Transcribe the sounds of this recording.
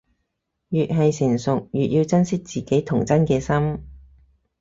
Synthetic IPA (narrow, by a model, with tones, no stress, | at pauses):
jyː˨t̚ɦɐ˨jsɪ˨˩ŋsʊ˨k̚jyː˨t̚jiː˧wt͡sɐ˥nsɪ˥k̚t͡siː˨˩ke˨˥jt̪ʰʊ˨˩ŋt͡sɐ˥nkɛː˧sɐ˥m